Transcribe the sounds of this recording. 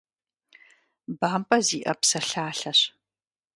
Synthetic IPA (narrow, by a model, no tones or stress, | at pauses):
baːmpʼɐziːʔɐpsɐɬaːɬɐɕ